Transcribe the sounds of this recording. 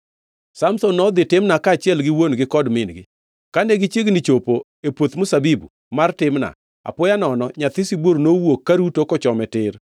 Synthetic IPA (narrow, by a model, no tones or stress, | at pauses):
samsonːɔd̪ɪtɪmnakaːt͡ʃɪɛlɡɪwonɡɪkɔdmɪnɡɪ | kaneɡɪt͡ʃeɡnɪt͡ʃopo | epwot̪mʊsabibṵ | martɪmna̰ | a̰pʊjanɔnɔɲat̪ɪsibwoɾnowokːaɾutokɔt͡ʃɔmɛtɪr